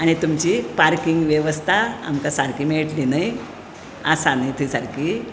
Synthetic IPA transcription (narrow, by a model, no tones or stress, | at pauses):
añit̪umt͡ɕipaɾkiŋɡʋjeʋəst̪ʰaa̰mkasaɾkiːmeɭʈlinaj | asanit̪ʰiːsaɾkiː